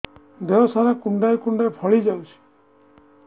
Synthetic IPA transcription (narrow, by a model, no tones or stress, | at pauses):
d̪eɦɔsaɾakuɳɖajkuɳɖajpʰɔɭid͡ʒawsʰi̥